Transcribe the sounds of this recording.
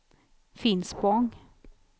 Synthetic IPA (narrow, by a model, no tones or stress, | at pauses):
fɪnspɔɑŋ